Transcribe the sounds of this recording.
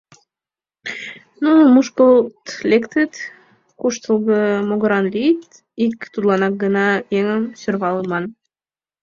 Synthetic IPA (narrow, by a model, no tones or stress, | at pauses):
numuʃkəlt̪lʲekt̪ət̪ | kuʃt̪əlˠɣəmoɣə̆ɾɑnlit̪ | ikt̪ud̪lˠɑnɑk̚ɡənɑjeŋəmsørβɑləmɑn